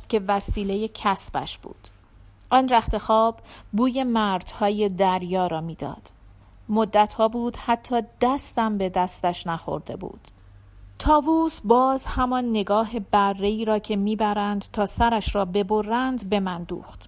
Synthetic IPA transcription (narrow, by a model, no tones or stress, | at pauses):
t̪cʰe̞væsiːle̞je̞cʰæsb̥æ̰ʃb̥ṵːd̪̥ | ʔɒːnɾæxt̪e̞xɒːbːuːje̞mæːɾd̪̥hɒːje̞d̪æɾjɒːɾɒːmiːd̪ɒ̰ːd̪̥ | mod̪ːæt̪hɒːbuːd̪hæt̪ʰːɒːd̪̥æst̪æmbe̞d̪æst̪æʃnæxo̞̰ɾd̪e̞̰bṵːd̪̥ | t̪ʰɒːvuːsbɒːzhæmɒnːe̞ɡɒːɦe̞bærːe̞iːɾɒːcʰe̞miːbæɾænd̪t̪ʰɒːsæɾæʃɾɒːbe̞bo̞rænd̪be̞mænd̪ṵːxt̪